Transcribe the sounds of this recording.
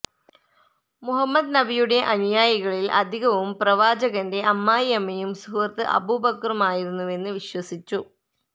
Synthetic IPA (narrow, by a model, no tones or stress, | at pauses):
muɦɐmːɐd̪nɐbijuɽe̞ʔɐnjaːjiɣɐɭilʔɐd̪ʱiɣɐʋumprɐʋaːd͡ʑɐɣɐnde̞ʔɐmːaːjɐmːɐjumsuːrɐt̪ːɨʔɐ̰bubɐkrumaːjiɾunːue̞nːɨʋiɕwɐsit͡ɕːu